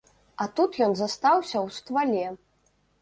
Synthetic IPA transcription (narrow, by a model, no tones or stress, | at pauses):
ɐt̪ut̪jɔnzast̪awsʲɐwst̪valʲɛ